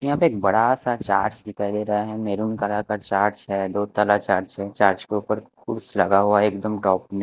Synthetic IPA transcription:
jɐɦãpeːk̚bɐɽasat͡ʃaːɾd͡ʒd̪ɪkʰaːid̪eːɾɐɦaɦɛ̃meːɾunkalakəɾt͡ʃaːɾd͡ʒɦɛd̪oːt̪alat͡ʃaːɾd͡ʒɦɛt͡ʃaːɾd͡ʒkeupəɾkʰʊɾslɐɡaɦuaeːkd̪əmʈɔːpmẽ

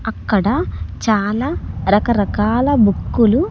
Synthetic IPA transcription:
ɐkːɐɽɐt͡ʃaːlaːɾɐkɐɾɐkaːlɐbʱukːulu

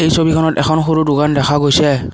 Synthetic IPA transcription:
ejsobikʰɔnɔtɛ̰kʰɔnxoɹudʊɡandɛxʰaɡojsɛ

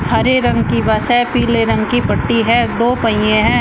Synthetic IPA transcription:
ɐɾeɾɐ̃ŋɡkibaːsɛpiːleɾɐ̃ŋɡkipɐʈːiɦɛ̃ːd̪oːpɐijẽɦɛ̃ː

